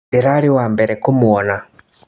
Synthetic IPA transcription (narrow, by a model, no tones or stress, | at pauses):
iɾaɾiwambɛɾɛkumuwɔna